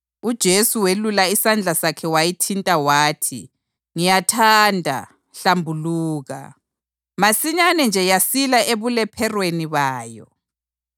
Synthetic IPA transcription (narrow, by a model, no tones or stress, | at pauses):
ud̥ʒ̥ʱesuwelulaisand͡ɮʱasakʰɛwajitʰintʼawaːtʰḭ | ŋijatʰandʱa̰ | ɬambʱuluːɣa̰ | masiɲanɛnd͡ʒʱɛjasilaʔeβulɛpʰɛrweniβaːjɔ̰